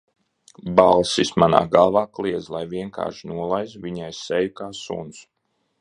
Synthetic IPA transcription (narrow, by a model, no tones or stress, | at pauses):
balˠsismana̰ːɡavaːklˠiɛd̪zlˠajviɛŋka̰ːʃinuɔlˠajzviɲajssɛjukaːsṵns